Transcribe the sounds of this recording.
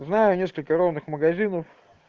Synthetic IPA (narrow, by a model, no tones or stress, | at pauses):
znajʊnʲe̞skəlʲkəɾovnɨxməɡɐzʲinəf